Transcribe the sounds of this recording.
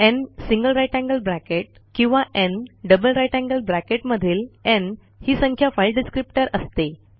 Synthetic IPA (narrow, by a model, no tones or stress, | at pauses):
ensiŋɡəlɾajʈæ̃ŋɡəlbɾækeʈ̚kĩw̃ʋaʔenɖəbəlɾajʈæ̃ŋɡəlbɾækeʈməd̪ʱiːlen | hiːsə̃ŋkʰjafajlɖiskɾip̚ʈəɾəst̪e